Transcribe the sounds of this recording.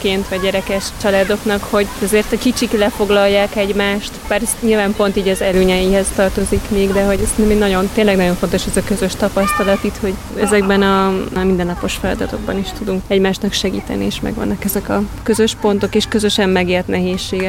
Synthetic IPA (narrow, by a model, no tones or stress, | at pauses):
keːnt̪ʋɒɟːɛɾɛkɛʃt͡ʃɒlaːd̪o̞knɒkho̞ɟɛzeːrt̪ɒkit͡ʃiklɛfo̞ɡlɒjːaːkɛɟmaːʃt̪baːɾsɲilvaːmpo̞nt̪iːɟɒzɛløːɲɛjihɛst̪ɒrt̪o̞zikmeːɡd̪ɛɦo̞ɟsɛnɛmeːnːɒɟo̞nt̪eːnlɛɡnɒɟo̞ɱfont̪o̞ʃɛzɒkø̞zø̞ʃt̪ɒpɒst̪ɒlɒt̪it̪ho̞ɟ | ɛzɛɡbɛnɒmind̪ɛnːɒpo̞ʃfɛlɒ̰d̪ɒt̪o̞̰ɡ̚bɒniʃt̪ud̪uŋkɛɟmaːʃt̪nɒkʃɛɡḭːt̪ɛ̰nieːʃmɛ̰ɡʋɒ̰nːɒkɛzɛkɒkø̞zø̞ʃpo̞nt̪o̞keːʃkø̞zø̞ʃɛmmɛɡeːrt̪nɛɦeːʃːeːɡɛ